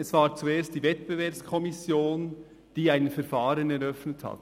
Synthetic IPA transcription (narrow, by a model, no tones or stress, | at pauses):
ɛsv̥aːɾt͡sueːst̚d̥iːvɛtb̥evɛɐpskʰɔmɪsjoːn | d̥iːaɪnfɛɾfaːɾənɛɾœfnətha̰t